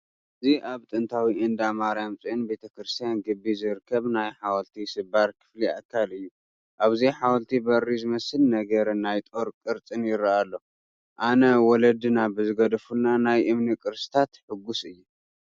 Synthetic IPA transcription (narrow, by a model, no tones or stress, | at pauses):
ʔɨziʔaβt̪ʼɨnt̪ʰawiɨnd̪amaɾajamt͡sʼiɨnbe̞t̪ʰɐkɾɨst̪ʰijanɡɨbːizɨɾkʰːɐβnajħawɐlt̪ʰisɨbaɾkʰɨ̥flia̰kʰːalɨjːu | ʔaβziħawɐlt̪ʰibɐrːizɨmɐsɨlnɐɡɐɾɨnajt̪ʼo̞ɾkʼɨɾt͡sʼɨnjɪɾaalːo̞ | ʔanɐwɔlɐd̪ɨnabɨzɨɡɐd̪ɐfulnanajʔɨmnikʼɨɾsit̪ʰat̪ħɨɡːusɨjːu